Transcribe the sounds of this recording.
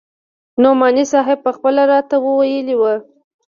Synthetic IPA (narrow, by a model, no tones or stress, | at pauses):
nomɑnisɑɦɪb̚pəxpəlaɾɑt̪awəwajəliwə